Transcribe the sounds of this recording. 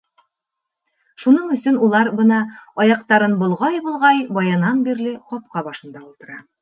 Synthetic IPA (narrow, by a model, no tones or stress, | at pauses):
ʃunɤɴɵ̆sɵnulˠɑɾbɤnɑɒjɑq̚t̪ɑɾɤnbŏlˠʁɑjbulˠʁɑjbɒjɑnɑnbiɾlɘqɒp̚qɑbɒʃɤ̆nd̪ɑulˠt̪ɤ̆ɾɑ